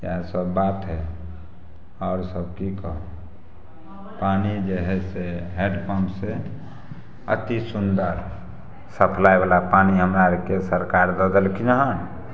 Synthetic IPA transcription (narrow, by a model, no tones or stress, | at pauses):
ka̰səbːat̪ɦɛ | ɔːɾsəb̚kikəɦõ | panid͡ʒeɦɛseɦeɖpʰɔmse | ə̰t̪isund̪əɾ | səpʰlaebalapaniɦəmɾaɾekesəɾkaɾd̪ɔd̪əlkinɦən